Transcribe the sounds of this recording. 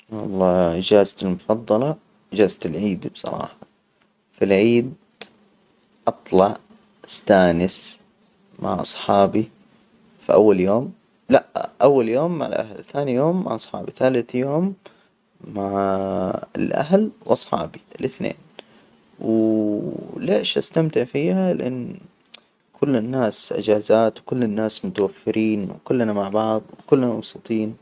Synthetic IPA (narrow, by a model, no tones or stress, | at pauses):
wɑ̰lˤːɑːd͡ʒaːzt̪ɪlmʊfɑðˤːɑlɑ | d͡ʒaːzt̪ɪlʕiːd̪bsˤɑ̰ɾˤɑ̰ːħɑ | filʕiːd̪ | ʔɑt̪ˤlɑʕ | ɪst̪aːnɪs | mʔa̰ʕʔɑ̰sˤħɑːbi | fiʔawːaljoːm | laʔʔawːaljoːmːaʕɪ̰lʔa̰hlθaːnijoːmːa̰ʕʔɑsˤħɑ̰ːbiθaːlɪθjoːmː | aʕ | ɪlʔa̰ɦlwʔɑsˤħɑ̰ːbiɪlʔɪθnḛːn | w | leːʃʔa̰st̪amt̪ɪʕfiːhalɪʔanː | kʰʊlːɪnːaːsʔɪ̰d͡ʒaːzaːt̪wkʊlːɪnːaːsmʊt̪awafːɪɾiːnwkʊlːnamaʕbɑʕðˤwkʊlːnamɑbsɨt̪ˤiːn